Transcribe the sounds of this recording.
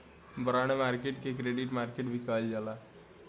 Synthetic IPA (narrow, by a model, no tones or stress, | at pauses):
bəɾaːɽ̃emaːɾkeʈkekɾeːɖɪʈmaːɾkeʈbʱikaːld͡ʒalaː